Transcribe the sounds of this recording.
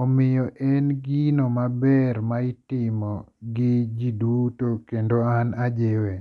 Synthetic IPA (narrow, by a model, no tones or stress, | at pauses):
ɔmɪjɔʔɛnɡinomabɛrmaitɪmɔɡɪd͡ʒidutokendoanad͡ʒewe